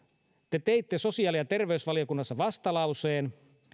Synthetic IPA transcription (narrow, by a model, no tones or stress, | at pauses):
t̪et̪eit̪ːeso̞siɑːliɑt̪e̞rʋeysʋɑlijokunːɑsːɑʋɑst̪ɑlɑuseːn